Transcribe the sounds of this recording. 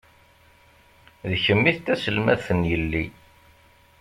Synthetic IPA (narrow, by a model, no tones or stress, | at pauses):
ðçəmːiθt̪æsəlmæ̰θənjəlːi